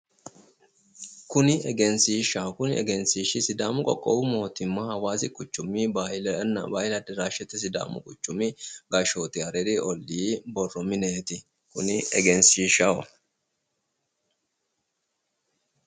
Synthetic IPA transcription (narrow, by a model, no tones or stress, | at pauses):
kʊnɪɛɡɛnsiːʃakʊnɪɛ̰ɡɛnsiːʃɪsɪd̪aːmʊkʼɔ̰kʼːɔbʊmo̞ːt̪ɪmːahɐwaːsɪkʼʊt͡ʃːʊmːɪbaːhɪlnɐ̰baːhɪlɐd̪ɐɾaːʃɛt̪ːɛs̬ɪd̪a̰ːmʊ̰kʼʊt͡ʃːʊmɪɡɐʃoːt̪ɪɐɾɛɾiʔɔlːiːbɔrɔmɪneːt̪ɪ | kʊnɪɛ̰ɡɛnsiːʃawɔ̰